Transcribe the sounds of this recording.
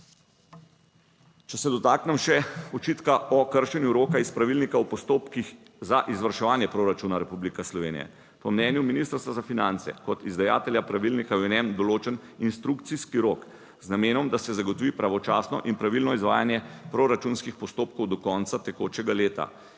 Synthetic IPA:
t͡ʃɛsɛd̪ɔt̪aːknɛmʃɛɔt͡ʃiːt̪kaɔkəɾʃɛnjuɾoːkaispɾaʋilnikawpɔst̪oːpkix | zaʔizʋəɾʃɛʋaːnjɛpɾoɾat͡ʃuːnaɾɛpublikɛslɔʋeːnḭjɛ̰ | pɔmnɛnjuminist̪əɾst̪ʋazafinant̪sɛ̰kɔt̪izd̪aja̰ːt̪ɛljapɾaʋilnikajɛnɛmd̪ɔloːt͡ʃɛn | inst̪ɾukt̪siskiɾoːk | znameːnɔmd̪asɛzaɡɔt̪ɔʋiːpɾaʋɔt͡ʃaːsnɔ̰ʔinpɾaʋilnɔizʋaːjanjɛpɾoɾat͡ʃunskixpɔst̪oːp̚kɔwd̪ɔkɔːnt̪sat̪ɛkoːt͡ʃɛɡaleːt̪a̰

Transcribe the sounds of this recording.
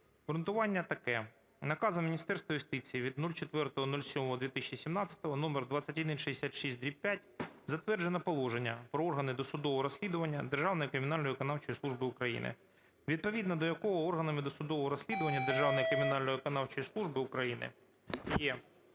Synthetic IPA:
ɦɾʊnt̪ʊʋɑnʲːɐt̪ɐkɛ | nɐkɑzɐmʲinʲist̪ɛrst̪ʋɐjʊst̪ɪt͡sʲijiʋʲid̪nulʲt͡ʃet̪ʋɛrt̪ɔɦɔnulʲsʲɔmɔɦɔd̪ʋʲit̪ɪʃt͡ʃisʲimnɑt͡sʲɐ̥t̪ɔɦɔnɔmerd̪ʋɑt͡sʲːɐtʲɐd̪ɪnʃeesʲat̪ʃisʲt̚ʲd̪ʲɾʲiwpʲːjatʲzɐt̪ʋɛrd͡ʒenɐpɔlˠɔʒenʲːɐpɾɔɔrɦɐnɪd̪ɔsʊd̪ɔʋɔɾɔsʲlʲid̪ʊʋɐnʲːɐd̪erʒɑwnɔjikɾɪmʲɪnɑlʲnɔjikɔnɑwt͡ʃɔjisˠuʒbɪukɾɐjḭnʔɪ̰ | ʋʲid̪̚pɔʋʲid̪nɐd̪ɔjɐkɔɦɔɔrɦɐnɐmɪd̪ɔsʊd̪ɔʋɔɦɔɾɔsʲlʲid̪ʊʋɐnʲːɐd̪erʒɑwnɔjikɾɪmʲinɑlʲnɔjekɔnɑwt͡ʃɔjislˠuʒbɪukɾɐjinɪ̰ | jɛ

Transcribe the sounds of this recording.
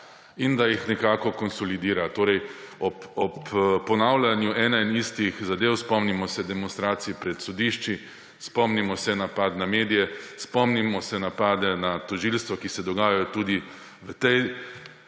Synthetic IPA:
ind̪ajixnɛkaːkɔkɔnsɔlid̪iːɾat̪oːɾɛjɔpɔppːɔnaːwlʲanjuʔɛːnainist̪ixzad̪eːwspɔmnimɔsɛd̪ɛmɔnst̪ɾaːt̪sijipɾɛt̪sɔd̪iʃt͡ʃi | spɔmnimɔsɛnapat̪nameːd̪ijɛspɔmnimɔsɛnapaːd̪ɛnat̪ɔʒilst̪ʋɔkisɛd̪ɔɡaːjajɔt̪ud̪i | ʋət̪ɛj

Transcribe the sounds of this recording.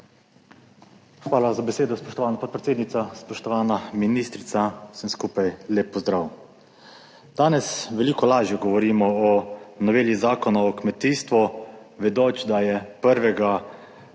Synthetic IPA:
xʋaːlazabɛseːd̪ɔspɔʃt̪ɔʋaːnapɔt̪̚pɾɛt̪seːd̪nit̪saspɔʃt̪ɔʋaːnaminiːst̪ɾit̪sasəmskuːpajleːpːɔzd̪ɾaːw | d̪̥aːnɛsʋɛliːkɔlaːʒjɛɡɔʋɔɾiːmɔɔnɔʋeːljizaːkɔnaɔkmɛt̪iːst̪ʋɔʋɛd̪oːt͡ʃd̪ajɛpəɾʋɛɡa

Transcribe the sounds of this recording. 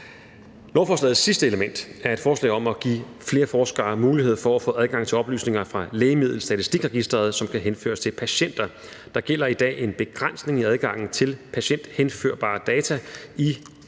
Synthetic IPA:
lɒʊfɒːslɛ̰ːð̩ˠsisd̥əe̝ləmen̰d̥æɐe̝d̥fɒːslɛ̰ɪɒ̽mɒɡ̥ḭː | fle̝ːɐfɒːsɡ̥ɑ̰̈ːmuːlihe̝ð̞̰ˠfɒæfɔ̰̽ːʔæð̞ˠɡ̥ɑ̈ŋ̰t͡sʰe̝lɒ̽b̥ly̰ːsne̝ŋɐfʁɑ̈leːɪmið̞̰ˠl̩sd̥æt͡sʰisd̥iɡ̥ʁɛɡ̥isd̥ʁɐð̞̩ˠsɒ̽mkʰæɦenfø̰ːɐst͡sʰe̝lpʰæɕen̰d̥ɐ | d̥ɑ̈ɡ̥el̰ɐid̥ɛ̰ːe̝nb̥e̝ɡ̥ʁan̰sne̝ŋiæð̞ˠɡ̥ɑ̈ŋ̰n̩t͡sʰe̝lpʰæɕen̰d̥henfø̰ɐ̰b̥ɑ̰̈ːd̥ɛːt͡sʰæi

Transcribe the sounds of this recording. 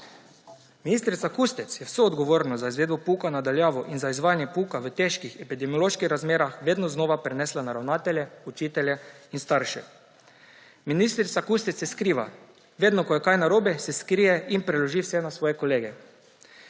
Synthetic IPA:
miniːst̪ɾit̪sakust̪ɛt̪sjɛwsoːd̪ɡɔʋoːɾnɔzaizʋeːd̪bɔpukanad̪aljaːʋɔʔinzaizʋaːjanjɛpuːkaʋət̪eʃkixɛpid̪ɛmiɔloːʃkixɾazmeːɾaxʋeːd̪nɔznoːʋapɾɛnɛːslanaɾawnaːt̪ɛlʲjɛut͡ʃiːt̪ɛljɛinst̪aɾʃɛ̰ | minist̪ɾit̪sakuːst̪ɛt̪sjɛskɾiːʋa̰ | ʋeːd̪nɔkɔjɛkajnaɾoːbɛsɛskɾijɛʔinpɾɛlɔʒiwsɛnasʋɔːjɛkɔleːɡɛ

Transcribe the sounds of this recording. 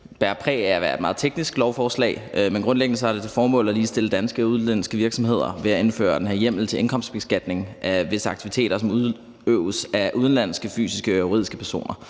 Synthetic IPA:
b̥æɐpʰʁɛ̰ːæɐʋæɐe̝d̥mɑ̈ð̩ˠt͡sʰeɡ̥nisɡ̥lɒʊfɒːslɛ̰ːɪmenɡ̥ʁɔ̽nleɡ̥nəsɒ̽æɐdet͡sʰe̝lfɒːmɔ̰̽ːlæliːsd̥e̝ləd̥ænsɡ̥əuðˠnlæn̰sɡ̥əʋiɐɡ̥sɒ̽mɦe̝ð̞̰ˠɐʋe̝æe̝nfø̰ːɐd̥enɦe̝ɐ̰jem̰l̩t͡sʰe̝ʔe̝nkʰɒ̽m̰sd̥b̥esɡ̥æd̥ne̝ŋʔæʋe̝səɑ̈ɡ̥̚t͡sʰiʋit͡sʰe̝̰ːɾ̥ɐsɒ̽muðˠ | øʊəsæʔuð̞ˠnlæn̰sɡ̥əfy̰ːsisɡ̥əo̝ʁḭð̰ˠisɡ̥əpʰæɐso̝̰ːnɐ

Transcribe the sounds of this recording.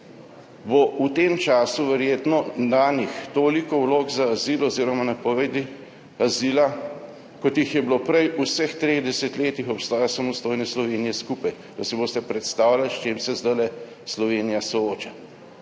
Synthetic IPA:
bout̪emt͡ʃaːsuʋɛɾjeːt̪nɔd̪anixt̪oːlikɔwloːɡzaːziːlɔziːɾɔmanapɔʋed̪i | azila | kɔt̪jixjɛblopɾɛjusəxt̪ɾeːɣd̪ɛsɛt̪leːt̪ixɔpst̪aːjasamɔst̪oːjnɛslɔʋeːnijɛskuːpaj | d̪̥asiboːst̪ɛpɾɛt̪st̪aːwlalʃt͡ʃeːmsɛzd̪ajlɛ | slɔʋeːnijasɔoːt͡ʃa

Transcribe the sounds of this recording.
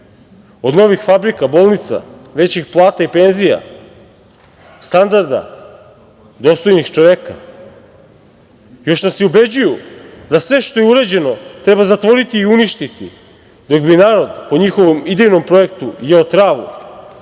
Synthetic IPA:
o̞d̪no̞ʋixfabɾikabolˠnit̪sa̰ʋe̞t͡ɕixplˠaːt̪aipe̞nzija̰ | st̪and̪aɾd̪a̰ | d̪o̞st̪o̞jnixt͡ʃo̞ʋeka̰ | jo̞ʃnasiube̞d͡ʑujud̪asʋe̞ʃt̪o̞jeuɾad͡ʑe̞no̞t̪ɾe̞bazat̪ʋo̞ɾit̪iːuniʃt̪it̪i | d̪o̞ɡbinaːɾo̞d̪po̞ɲixo̞ʋomid̪ejno̞mpɾo̞ekt̪ujeot̪ɾaːʋṵ

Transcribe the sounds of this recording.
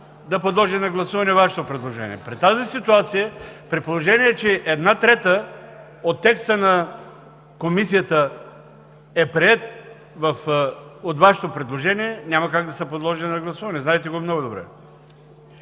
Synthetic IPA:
d̪ɐpod̪lˠɔʒinɐɡlˠɐsuvɐnɛvaʃɛ̥t̪opɾɛd̪lˠoʒɛnʲḭɛpɾit̪ːazisit̪uat̪sijəpɾɛt̪̚polˠoʒɛniɛːt͡ʃɛʔɛd̪nat̪ɾɛt̪ə | ot̪ːɛkst̪ənɐ | komisijət̪ə | ɛpɾiɛt̪ | vɐfot̪vaʃɛ̥t̪opɾɛd̪lˠoʒɛniɛnʲamɐkaɡ̚d̪ɐsəpod̪lˠɔʒilʲinɐɡlˠɐsuvɐnɛznaɛt̪ɛɡomnɔɡod̪obɾɛ̰

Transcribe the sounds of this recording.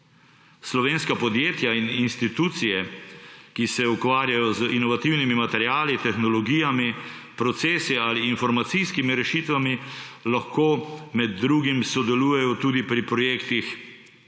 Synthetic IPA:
slɔʋeːnskapɔd̪jeːt̪jaininst̪it̪uːt̪sijɛ | kisɛukʋaːɾjajɔzinɔʋat̪iwnimimat̪ɛɾjaːlit̪ɛxnɔlɔɡijami | pɾɔt̪seːsiaːliːnfɔɾmat̪sijskimiɾɛʃit̪ʋamilaxkoːmɛd̪̚ːɾuːɡimsɔd̪ɛluːjɛjɔt̪uːd̪ipɾipɾɔjeːkt̪ix

